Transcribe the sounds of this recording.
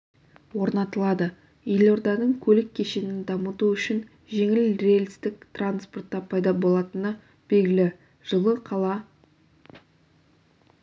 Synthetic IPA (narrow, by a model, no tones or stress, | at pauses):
wo̞ɾnɑt̪əlˠɑd̪ə | jelo̞rd̪ɑnəɴkʲʰɵlɪkʲʰːe̞ʃe̞nɪnd̪ɑmət̪uʏʃɪn | ʒe̞ŋɪlrelʲst̪ɪk̚t̪ranspo̞rt̪ːɑpʰɑjd̪ɑbo̞lˠɑt̪ənə | b̥e̞lɡʲɪlɪ | ʒ̥əlˠəqʰɑlˠɑ